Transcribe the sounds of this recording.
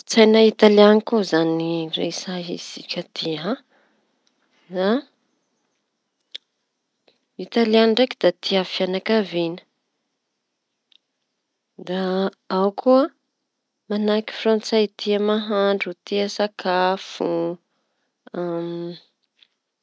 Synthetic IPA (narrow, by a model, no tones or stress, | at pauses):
t͡sajnait̪alianikozanirḛsaɦḭsikʲət̪ʰiã | za | it̪alianɳɖ͡ʐekid̪at̪iafianakavinə̥ | d̪a | awkʰuə | manaki̥frant͡sajt̪iamaɦaɳɖ͡ʐut̪iasakʰafu | am